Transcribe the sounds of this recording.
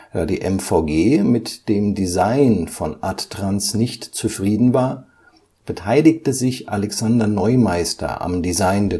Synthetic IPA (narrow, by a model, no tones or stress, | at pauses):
d̥aːdiːʔɛmfaʊɡeːmɪtd̥eːmdizaɪnfɔnʔattʁ̥ansnɪçtt͡sufʁ̥iːdn̩vaːɐ | b̥ətʰaɪlɪktəzɪçʔalɛksandɐnɔʏmaɪstɐ̰ʔa̰mdizaɪndɛ